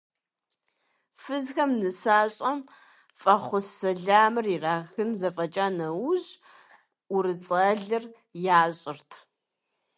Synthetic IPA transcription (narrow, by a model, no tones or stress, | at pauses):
fɨzxɐmnɨsaːɕʼɐm | fʼɐχʷʊsɐɮaːmɨriraːɣɨnzɐfʼɐt͡ʃʼaːnɐwʑ | ʊrɨt͡sʼɐɮɨr | jaːɕʼɪrtʰ